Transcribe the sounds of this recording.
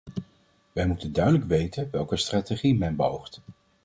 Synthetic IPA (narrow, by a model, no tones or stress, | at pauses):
ʋɛjmutəndœɥdələkʋejtənʋɛlˠkəstraːteχimɛnbəɦowχt